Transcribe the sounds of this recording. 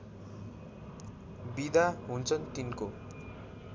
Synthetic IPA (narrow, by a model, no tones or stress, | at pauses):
bid̪ʱaɦunt͡sʰʌnt̪inko